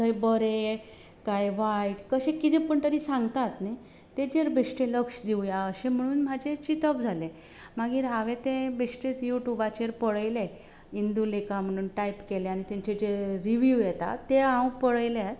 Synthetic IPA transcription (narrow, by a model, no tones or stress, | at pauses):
t̪əjbəɾe | kajʋajʈkəɕekit̪ẽpəɳt̪əɾiːsãŋɡt̪at̪naj | t̪ed͡ʑeɾbesʈeləkʂd̪iujaəɕẽm̤əɽ̃uːnm̤ad͡ʑet͡ɕit̪əpd͡zʱale | maɡiːɾɦaʋet̪ẽbeʂʈet͡sjuʈjubat͡ɕeɾpəɭəjle | ind̪ulekam̤əɽ̃uːnʈajpkelẽañit̪ɛɲt͡ɕed͡ʑeɾɾiʋjujɛt̪a̰t̪eãwpəɽəjle